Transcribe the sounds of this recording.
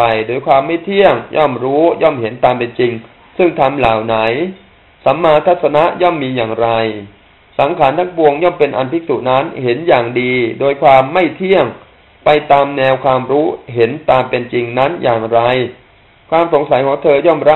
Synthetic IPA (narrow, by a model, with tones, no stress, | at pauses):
a˧jdoː˧jkʰwaː˧mːa˥˩jt̪ʰi˥˩əŋjʔɔ̰˥˩mɾuː˦˥jɔː˥˩mhe˩˦nt̪aː˧mpe˧nt͡ɕi˧ŋ | sɯ˥˩ŋt̪ʰa˧mlaː˨˩˦wna˩˦j | sa˩˦mːaː˧t̪ʰa˦˥t̪̚sa˧na˦˥ʔjɔ˥˩mːiː˧jaː˨˩ŋɾa˧j | sa˩˦ŋkʰaː˩˦nt̪ʰa˦˥ŋpu˧əŋjɔː˥˩mpe˧nʔa̰˧npʰi˦˥suː˨˩na˦˥nhe˩˦njaː˨˩ŋdiː˧doː˧jkʰwaː˧mːa˥˩jt̪ʰi˥˩əŋ | pa˧jt̪aː˧mnɛː˧wkʰwaː˧mɾuː˦˥ɦe˩˦nt̪aː˧mpe˧nt͡ɕi˧ŋna˦˥njaː˨˩ŋɾa˧j | kʰwaː˧mso˩˦ŋsa˨˩˦jkʰɔː˩˦ŋt̪ʰɤː˧jɔː˥˩mɾa˦˥